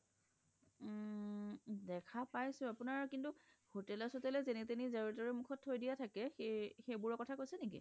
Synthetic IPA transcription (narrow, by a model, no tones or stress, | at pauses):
dɛkʰapajsʊ̃apunaɹkintuhotɛlɔsotɛlɛzenitenizaɹitɔɹɛmukʰɔtʰːojdijatʰakɛxexejbʊɹɔkɔtʰakojsɛnikḭ